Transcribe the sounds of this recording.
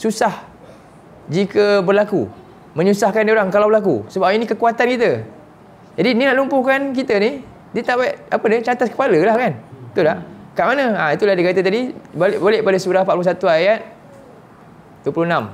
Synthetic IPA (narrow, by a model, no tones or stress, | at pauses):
susah | d͡ʒikəbərlaku | mə̃ɲusahkandaoɾaŋkalawbəɾlak̬usəbapinĩkəkuat̪ankit̪ə | d͡ʒadininaʔlumpʊhkank̬it̪əni | diət̪aʔbaiʔapədət͡ʃant̪at̪̚kə̥paləlahkant̪udaʔkaʔmanə̃ait̪ulahdikat̪ət̪̬adiblʔboleʔpadasuɾahpaplous̬at̪uajat̪̚ | duwəpuluhnãm